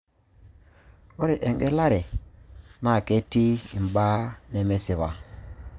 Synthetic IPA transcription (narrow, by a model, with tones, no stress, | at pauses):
o˦ɾe˨ʔe˨ŋɡe˦la˦ɾe˨ | na˦˨ke˦ti˦i˨m˨ba˦ne˨me˦se˨βa˨